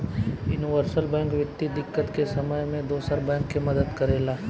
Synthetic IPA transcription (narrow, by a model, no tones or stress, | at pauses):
jʊːnɪʋəɾsəlbɛ̃ːŋkʋɪt̪ːid̪ɪkːət̪kesɐməjmẽd̪oːsalbɛ̃ːŋkːemɐd̪əd̪kɐɾeːlaː